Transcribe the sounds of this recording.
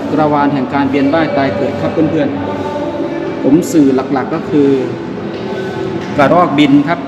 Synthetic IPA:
ɾa˧waː˧nɦɛ˨˩ŋkaː˧nwi˧ənbaː˥˩jt̪aː˧jkɤː˨˩t̪̚kʰa˦˥pʰːɯ˥˩˨np̪ʰɯ˧ən | pʰo˩˦msɯː˨˩la˨˩k̚la˨˩kːɔː˥˩kʰɯː˧ | ka˧˩ɾɔː˥˩k̚bi˧nkʰa˦˥p̚

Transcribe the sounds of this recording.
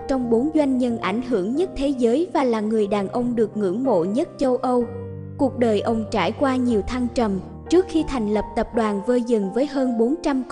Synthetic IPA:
t͡ɕɔ˧wŋ͡mɓo˨˦nzwa˧jŋ̟ɲə˧nʔa˧˩jŋ̟ɦɨ̰˧˩əŋɲə˦˥t̚t̪ʰe˨˦zəː˨˦jvaː˨˩laː˨˩ŋɨ˨˩əjɗaː˨˩nʔə˧wŋ͡mɗɨ˨˩ək̚ŋɨ̰˧˥əŋmo̰˧˨ɲə˦˥t̚t͡ɕə˧wʔə˧w | ku˨˩ək̚ɗəː˨˩jʔə˧wŋ͡mt͡ɕa̰ː˧˩jkwaː˧ɲi˨˩əwt̪ʰa˧ŋt͡ɕə˨˩m | t͡ɕɨ˦˥ək̚xi˧t̪ʰa˨˩jŋ̟lə˨˩p̚t̪ə˨˩p̚ɗwaː˨˩nvəː˧jzɨ˨˩ŋvəː˨˦jɦəː˧nɓo˨˦nt͡ɕa˧m

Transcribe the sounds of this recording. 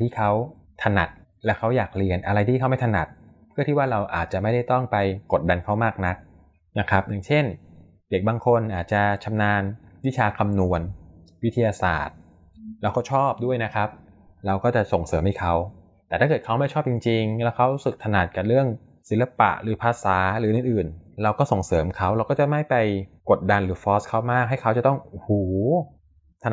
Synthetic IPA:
t̪ʰiː˥˩kʰa˦˥w | t̪ʰa˧na˨˩t̪̚ | lɛː˦˥wkʰa˦˥wjaː˨˩k̚ɾi˧ənʔa˧ɾa˧jt̪ʰiː˥˩kʰa˦˥wma˥˩tʰa˧na̰˨˩t̪̚ | pʰɯ˥˩ɐt̪ʰiː˥˩waː˥˩ɾa˧wʔa̰ː˨˩t̪̚t͡ɕa˨˩ma˥˩jda˥˩jt̪ɔ˥˩ŋpa˧jko˨˩t̪̚da˧nkʰa˦˥wmaː˥˩k̚na˦˥k̚ | na˦˥kʰa˦˥p̚ja˨˩˦ŋt͡ɕʰe˥˩n | de˨˩k̚baː˧ŋkʰo˧nʔaː˨˩t̪̚t͡ɕa˨˩t͡ɕʰa˧mnaː˧nwi˦˥t͡ɕʰaː˧kʰa˧mnu˧ənwt̪ʰa˧jaː˧sa̰ː˨˩t̪̚ | lɛː˦˥wkʰa˥˩t͡ɕʰɔː˥˩p̚du˥˩əjna˦˥kʰa˦˥p̚ | ɾa˧wkɔː˥˩t͡ɕa˨˩so˨˩ŋsɤː˩˦mha˥˩jkʰa˦˥w | t̪ɛː˨˩t̪ʰaː˥˩ɤː˨˩t̚kʰa˦˥wma˥˩jt͡ɕʰɔː˥˩p̚t͡ɕi˧ŋt͡ɕi˧ŋlɛː˦˥wkʰa˦˥wɾu˦˥sɯ˨˩k̚t̪ʰa˧naː˨˩t̪̚ka˨˩ɾɯ˥˩əŋ | si˨˦la˧pa̰˨˩ʔɾɯː˩˦pʰaː˧saː˩˦ɾɯː˩˦nɯː˧nʔɯː˨˩nɾa˧wkɔː˥˩so˨˩ŋsɤː˩˦mkʰa˦˥wɾa˧wkɔː˥˩t͡ɕa˨˩ma˥˩jpa˧jko˨˩t̪̚da˧nɾɯː˩˦fɔː˦˥skʰa˦˥˩wmaː˥˩k̚ɦa˥˩jkʰa˦˥wt͡ɕa˨˩t̪ɔ˥˩ŋhuː˨˩˦ | t̪ʰa˧

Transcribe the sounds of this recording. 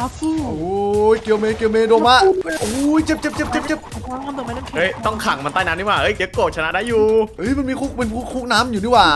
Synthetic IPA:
ʔo˦˧˦jki˧o˧meː˧ki˧o˧meː˧doː˧maː˦˧˩ʔo˧˦jt͡ɕe˧˩p̚t͡ɕe˧˩p̚t͡ɕe˧˩p̚t͡ɕe˧˥˩p̚t͡ɕe˧˩p̚ː | jt̪ɔ˥˩ŋkʰa˨˩˦ŋma˧nt̪a˧˩jnaː˦˥mniː˧˥˩waː˨˩ʔɤ˦˥˦jke˨˦˥kːoː˨˩t͡ɕʰa˧na˧˥daː˧˥˩juː˨˩ʔɯ˨˦˥jma˧nmiː˧kʰuː˦˥˩k̚me˧nkʰuː˦˥˩kʰuː˥k̚naː˦˥mjuː˨˩niː˥˩kwaː˨˩

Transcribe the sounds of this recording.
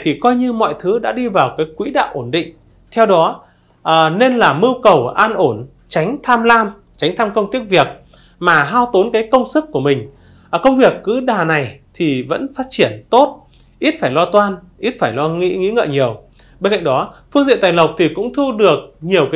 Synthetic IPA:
t̪ʰi˨˩kɔ˧jɲɨ˧mɔ̰˧˨jt̪ʰɨ˨˦ɗa̰ː˧˥ɗi˧vaː˨˩wkaː˨˦jkwḭ˧˥ɗa̰ː˧˨wʔo˧˩nɗḭ˧˨ŋ̟ | t̪ʰɛ˧wɗɔ˨˦˨ | ne˧nlaː˨˩mɨ˧wkə˨˩wʔaː˧nʔo˧˩n | t͡ɕa˨˦jŋ̟t̪ʰaː˧mlaː˧m | t͡ɕa˨˦jŋ̟t̪ʰaː˧mkə˧wŋ͡mt̪i˦˥ək̚vi˨˩ək̚ | maː˨˩ɦaː˧wt̪o˨˦nkaː˨˦jkə˧wŋ͡msɨ˦˥k̚ːu˧˩əmï˨˩ŋ̟˨˩ | kə˧wŋ͡mvi˨˩əkːɨ˨˦ɗaː˨˩na˨˩jt̪ʰi˨˩və̰˧˥nfaː˦˥t̚t͡ɕi˧˩ənt̪o˦˥t̚ | ʔi˦˥t̚faː˧˩jlɔ˧t̪waː˧nʔi˦˥t̚faː˧˩jlɔ˧ŋḭ˧˥ŋḭ˧˥ŋə̰ː˧˨ɲi˨˩əw | ɓe˧nka̰˧˨j̟ɗɔ˨˦fɨ˧əŋzḭ˧ənt̪aː˨˩jlə˨˩wk͡p̚t̪ʰi˨˩kʊ̰˧˥ŋ͡mt̪ʰu˧ɗɨ˨˩ək̚ɲi˨˩əwkː

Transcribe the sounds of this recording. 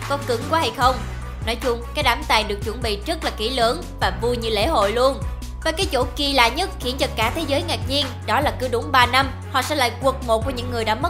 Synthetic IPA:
kɔ˨˦kɨ̰˧˥ŋkwaː˨˦ha˧jxə˧wŋ͡m | nɔ˨˦jt͡ɕʊ˧ŋ͡mkaː˨˦jɗaː˨˦nt̪aː˨˩jɗɨ˨˩ək̚t͡ɕwə˧˩nɓḭ˧˨t͡ɕə˦˥t̚laː˨˩ki˧˩ləː˨˦n | vaː˨˩vu˧jɲɨ̰˧˥lḛ˧˥ɦo̰˧˨jlu˧ən | vaː˨˩kaː˨˦jt͡ɕo̰˧˩ki˧˩la̰ː˧˨jɲə˦˥t̚xi˨˦˥ənt͡ɕɔ˧kaː˧˩t̪ʰe˨˦zəː˨˦jŋaː˨˩k̚ɲi˧ənɗɔ˨˦laː˨˩kɨ˨˦ɗʊ˨˧˦ŋ͡mɓaː˧˩na˧m | hɔ̰˧˨sɛ̰˧˥la̰ː˧˨jku˨˩ək̚mo̰˨˩ku˧˩əɲɨ̰˧˥ŋːɨ˨˩əjɗa̰ː˧˥mə˦˥

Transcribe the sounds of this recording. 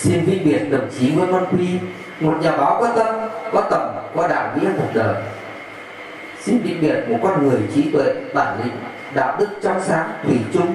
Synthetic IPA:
si˧nvï˧ŋ̟ɓi˨˩ət̚ɗə˨˩wŋ͡mt͡ɕi˨˦mɨ˧əjva˧nkwi˧ | mo˨˩t̚ɲaː˨˩ɓaː˨˦wkɔː˧˦t̪ə˧mkɔ˨˦t̪ə˨˩ŋ͡mkwɗa̰ː˧˩wɓi˧ənkə˨˩k͡p̚zəː˧˨˩ | si˧n̟vḭ˧˨ŋ̟ɓḭ˨˩ən̚ku˧˨˩əkɔ˧nŋɨ˨˩əjt͡ɕi˨˦t̪wḛ˧˨ɓaː˧˩nlḭ˧˥ŋ̟ | ɗa̰ː˧˨w̚ɗɨ˦˥k̚t͡ɕɔ˧wŋ͡msaː˨˦ŋt̪ʰwi˧˩t͡ɕʊ˧ŋ͡m

